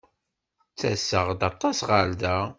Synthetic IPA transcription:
t͡sːæ̰sːəʁd̪ɑt̪ˤːɑsʁald̪æ

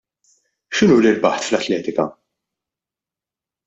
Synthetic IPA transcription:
ʃɪnuːlɪlbɐħt̪flɐt̪lɛːt̪ɪkɐ̰

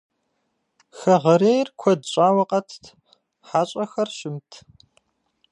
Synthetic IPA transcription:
xɐʁɐɾeːjrkʷʰɔdɕʼaːwɐqʼɐtʰ | ħaːɕʼɐxɐrɕɪmtʰ

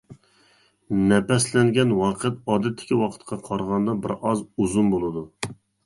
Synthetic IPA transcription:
nɛpɛslɛŋɡʲɛnwɑːqʰəɛt̪ɑːd̪ɛt̪ʰːɪ̥kʲʰiwɑqʰə̥t̪qʰɑqʰɑɾʁɑnd̪ɑbɪɾɑzuzunbolˠɨd̪u

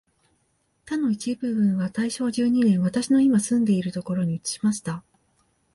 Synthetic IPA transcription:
t̪ano̞it͡ɕibɯ̟bɯ̟̃ɰ̃βat̪aiɕo̞ːʑɨːɲ̟inẽɰ̃βat̪aɕino̞imasɨ̃nd̪e̞iɾɯ̟t̪o̞ko̞ɾo̞ɲ̟iɯt͡sɨ̥ɕi̥maɕi̥t̪a

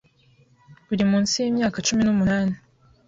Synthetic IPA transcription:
uɾimuːnsijiːmɲaːkat͡ʃuminumunaːni

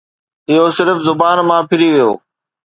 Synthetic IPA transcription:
ɪɦosɪɾfzʊbaːnmãːpʰɪɾiʋijo̰ː

